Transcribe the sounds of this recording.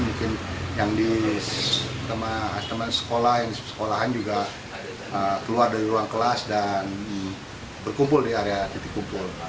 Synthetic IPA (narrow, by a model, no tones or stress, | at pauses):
muŋkɪnjaŋdi | t̪əmaast̪əmansə̥kolahjaŋdissə̥kolaɦand͡ʒuɡa | əkəluardaiɾuaŋkəlasdan | bərkumpʊldiaɾeat̪it̪ɪkːumpʊl